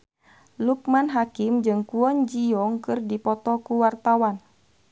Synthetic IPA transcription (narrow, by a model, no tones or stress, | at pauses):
luk̚manɦakimd͡ʒɨŋkuɔɲd͡ʒiɔŋkɨrdipɔt̪ɔkuwart̪awan